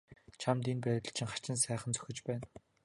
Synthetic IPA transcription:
t͡ɕʰamt̪inpæːt̪ə̆ɮt͡ɕʰɪ̆ŋχḁt͡ɕɪ̆nsæːχə̆nt͡sʰœ̥xʲɪ̆t͡ɕpæːn

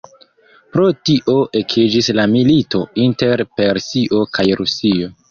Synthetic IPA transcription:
pɾo̞tiʔoʔekʰid͡ʒislamilito̞inte̞ɾpe̞ɾsiʔo̞kʰajɾusio̞

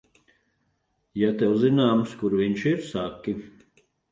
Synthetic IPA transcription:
jat̪ɛwzinaːmskuɾviɲʃiɾsakʲːi

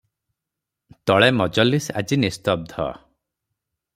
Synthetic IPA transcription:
t̪ɔɭemɔd͡ʒɔlisa̰d͡ʒinist̪ɔb̚d̪ʱɔ̰

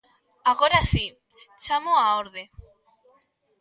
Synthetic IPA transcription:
aɣoɾasi | t͡ʃamoaoɾðe

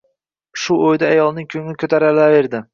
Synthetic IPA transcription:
ʃʊojd̪aːjɒlˠnɪŋkʲʰɵŋlɪkʲʰɵt̪ʰaɾalave̞ɾd̪ɪ

